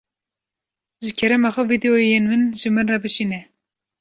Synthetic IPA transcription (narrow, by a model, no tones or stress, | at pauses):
ʒɨkʰɛɾɛmɑxʷɛvid̪ɛojenmɨnʒɨmɨnrɑbɨʃinɛ